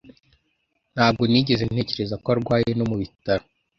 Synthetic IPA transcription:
n̥haːb̚ɡo̞niɟe̞zen̥e̞ːce̞ɾezakoaɾɡwaːjeno̞muβitaɾo

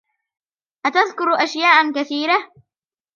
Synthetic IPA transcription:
ʔat̪aðkʊɾʔaʃjaːʔakaθiːɾa

